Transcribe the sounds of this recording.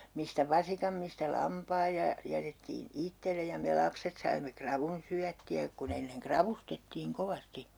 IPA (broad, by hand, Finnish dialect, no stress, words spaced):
mistæ ʋɑsikɑm mistæ lɑmpɑːj jɑ jɑ jætetːiːn itːele jɑ me lɑpset sɑimːe krɑʋun syætːiæ kun enːeŋ krɑʋustetːiːŋ koʋɑsti